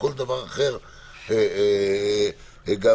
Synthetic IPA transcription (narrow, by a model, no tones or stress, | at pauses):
kold̪avaʁaχeʁ | e | ɡa